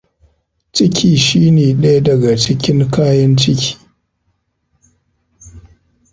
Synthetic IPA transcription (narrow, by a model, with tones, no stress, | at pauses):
t͡ʃɪ˦kʲʰiː˨ʃiː˦neː˨ɗɐ˦ja˦dɐ˨ɡa˨t͡ʃɪ˦kʲɪ˦ŋkaː˦jɐ˦nt͡ʃɪ˦kʲʰi̥ː˨